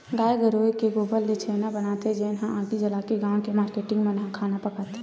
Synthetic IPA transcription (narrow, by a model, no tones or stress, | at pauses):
ɡaeɡəɾojkeɡobəlːet͡ʃʰenabənat̪ɛd͡ʒenɦããkid͡ʒəlakeɡãːw̃kemaɾkeʈɪŋɡmenɦãkʰanapəkat̪